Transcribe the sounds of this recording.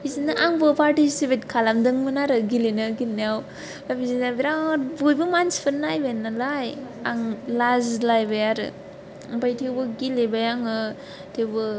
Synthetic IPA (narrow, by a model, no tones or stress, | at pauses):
bizinɯʔaŋbɯpaɾtisipet̚kʰalamdɯŋmɯnaɾɯɡilinɯɡilnijaw | babizinabiɾabujbɯmanspʰɯnːajbanːalajaŋlazlajbajaɾɯ̰ | ŋpajtʰewbɯɡilebajaŋɯ | tʰewbɯ